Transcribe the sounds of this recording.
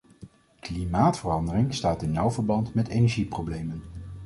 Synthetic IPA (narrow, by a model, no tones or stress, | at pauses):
klimaːtfərɑndərɪŋstaːtɪnjɔwvəɹbɑntmɛtejnɛɹʒiprowblejmən